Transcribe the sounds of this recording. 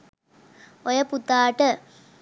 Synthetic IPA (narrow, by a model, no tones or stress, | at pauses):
ojɐput̪aːʈə